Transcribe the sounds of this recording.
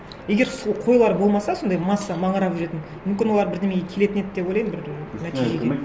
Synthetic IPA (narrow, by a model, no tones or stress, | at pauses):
je̞ɡʲe̞ɾsˠqʰo̞jlˠɑɾbo̞lˠmɑsɑso̞nd̪ɑjmɑsːɑmɑɴəɾɑpʒʏɾe̞t̪ɪn | mʏmkʲɪnw̪ˠɑɾbɪɾd̪e̞meɡʲekʲʰe̞le̞t̪ɪne̞d̪ɪd̪epwo̞jlˠɑjnbɪɾnæt̪iʒeɡʲe